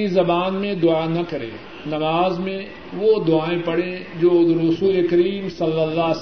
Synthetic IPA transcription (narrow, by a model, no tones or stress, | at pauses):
izɐbaːnmẽd̪ʊanɐkɐɾḛ̃ː | nɐmaːzmẽ | ʋod̪ʊaːẽpɐɽẽd͡ʒoːʊzɾʊsuːlekɐɾiːmsɐlːəlːa